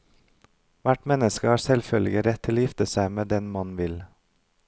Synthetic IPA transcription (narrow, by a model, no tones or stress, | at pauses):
ʋæʈmɛnəskəhɑːɾsɛlfœlɡəɾɛt̪ʰːɪloːjɪft̪əsæɪmeːd̪ɛnmɑnʋɪl